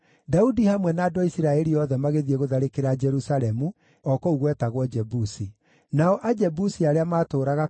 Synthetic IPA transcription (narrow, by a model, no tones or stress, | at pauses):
daudihamwɛnaːdoaisiɾaɛɾiɔðɛmaɣeðiɛɣoðaɾekeɾad͡ʒɛɾusaɾɛmu | ɔkouɣwɛtaɣwɔd͡ʒɛbusi | naɔʔad͡ʒɛbusiaɾeamaːtoːɾaɣa